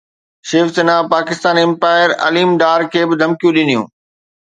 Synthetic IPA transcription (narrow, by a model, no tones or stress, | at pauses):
ʃeːfsɪnapaːkɪst̪aːniɪ̃mpaːɪəɾɐ̰liːmɖaːɾkʰeːbɪd̪ʱɐmkijũɗɪnijṵ̃ː